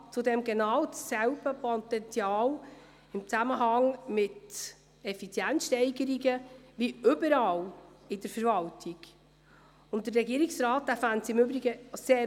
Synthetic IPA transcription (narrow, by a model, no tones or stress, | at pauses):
t͡sʊdɛmɡɛnɑːwsɛwb̥əpʰot̪ɛnt͡sjɑːl | ɪmt͡sæməɦɑŋmɪt | ɛfit͡sjænsʃtɛɪɡəɾiɡəviʏbəɾɑːlɪdəɾfəɾvɑltʰiɡ̥ | ʊnt̚dərɛɡiːəɾɪksɾɑːt̚d̪̥æfæntsɪmʏbɾiɡəseː